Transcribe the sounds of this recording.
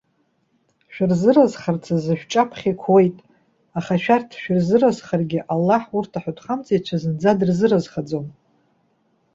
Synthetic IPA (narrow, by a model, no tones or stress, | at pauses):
ʃᶣarzɨrazχart͡sʰazɨʃᶣt͡ʃʼapʰχʲikʷʰwe̞jtʼ | aχaʃᶣartʰʃᶣɪrzɨrazχarɡʲɪʔalːaħurtʰaħatʰχamt͡sʰʼejt͡ʃʷʰazɨnd͡zadɨrzɨrazχad͡zom